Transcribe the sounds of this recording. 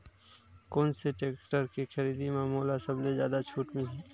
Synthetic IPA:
kɔːnseʈeːkʈəɾkixəɾiːd̪imẽmoːlasəblezjaːd̪at͡ʃʰuːʈmɪliː

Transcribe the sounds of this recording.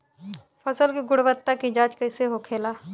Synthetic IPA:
pʰəsəlkiɡʊɽʋət̪ːakid͡ʒaːd͡ʒkɐɪseɦokʰeːlaː

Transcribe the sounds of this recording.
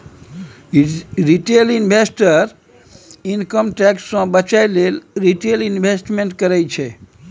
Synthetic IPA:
ɾiʈelinbʱesʈəɾ | inkəmʈɛksːə̃bət͡ʃajlelɾiʈelinbʱesʈmeɳʈkəɾɛjt͡ʃʰɛ

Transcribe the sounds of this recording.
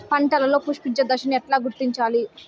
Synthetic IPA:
pɐɳʈɐlɐlo̞ːpuʂpid͡ʒɐd̪ɐʃɐniɛʈlaːɡuɾt̪iɲt͡ʃaːli

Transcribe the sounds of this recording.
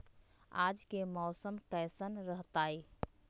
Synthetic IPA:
a̰ːd͡ʒkemɔːsəmkəjsənɾəɦt̪aːi

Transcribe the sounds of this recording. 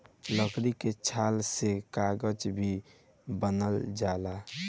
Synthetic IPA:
ləkɾiket͡ʃʰalsekaɡəd͡ʒbʱi | bənəld͡ʒala

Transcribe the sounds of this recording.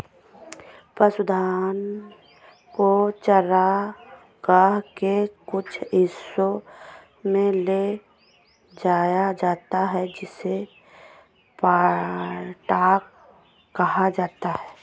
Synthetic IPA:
pəsʊd̪ʱaːn | kot͡ʃəɾa | ɡaːɦkekʊt͡ʃʰɪso | mẽle | d͡ʒaːjad͡ʒaːt̪aɦɛd͡ʒɪse | pa | ʈaːkː | ɐɦad͡ʒaːt̪aɦɛː

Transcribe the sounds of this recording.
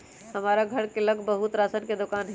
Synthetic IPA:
həmaːɾaɡʱəɾkeləɡʱbəɦut̪ɾaːsənked̪okaːnɦ

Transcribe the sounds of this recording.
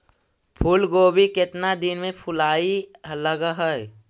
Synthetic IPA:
pʰʊlɡoːbikɪt̪nad̪ɪnmẽpʰʊlaːiləɡaɦəj

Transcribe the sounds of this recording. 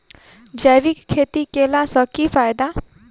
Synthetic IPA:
d͡ʒɛʋikʰːet̪ikelasəkifajd̪a

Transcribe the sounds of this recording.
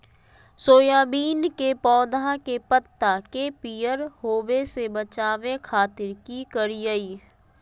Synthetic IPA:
soːjaːbiːnkepɔːd̪akepət̪ːakepijəɾɦoːʋesebət͡ʃaːʋekʰaːt̪ɪɾkikəɾijəiː

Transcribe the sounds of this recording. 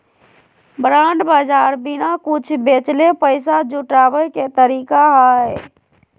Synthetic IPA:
bɾaɳɖbad͡ʒaɾbinakut͡ʃʰbet͡ʃlepəɪsad͡ʒuʈabəket̪əɾikaɦəj

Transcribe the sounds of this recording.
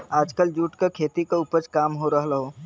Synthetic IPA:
aːd͡ʒkəld͡ʒuːʈkakʰeːt̪ikeupəɾt͡ʃkaːmɦoɾəɦlɦoː

